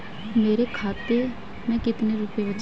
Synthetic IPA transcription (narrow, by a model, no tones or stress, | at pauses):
meːɾekʰaːt̪eː | mɛ̃ːkɪt̪neɾʊpebət͡ʃ